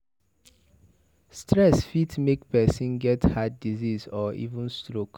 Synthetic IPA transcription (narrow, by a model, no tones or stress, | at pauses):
stɹɛsfitmekpɛsĩnɡɛthaddizizɔḭvũnstɹok